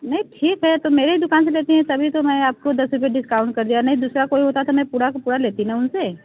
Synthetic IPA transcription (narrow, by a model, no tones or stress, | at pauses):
nɐɦĩʈʰiːkɦɛt̪omeːɾeɦid̪ʊkaːns̬eleːt̪iɦɛ̃t̪ɐbʱit̪omɛ̃ːaːp̚kod̪ɐsɾʊp̬eɖɪskaːʊ̃ɳʈ̚kɐɾd̪ijanɐɦĩd̪uːsɾakoːiɦoːt̪aɛt̪ʰɐmɛ̃puːɽakpuːɽaleːt̪inaʊnse